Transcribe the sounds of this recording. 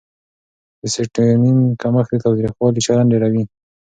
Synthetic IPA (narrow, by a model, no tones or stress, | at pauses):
d̪əseʈninkaməxd̪et̪awt̪ɾixwɑlit͡ʃaɾanɖeɾawi